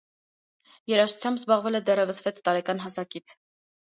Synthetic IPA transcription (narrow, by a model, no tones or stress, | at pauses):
jɛɾɑʃu̥t͡sʰjɑmbzbɑʁvɛlɛd̪ɛrjɛvəsvɛt̪t̪ɑɾɛkɑnɦɑsɑkit͡sʰ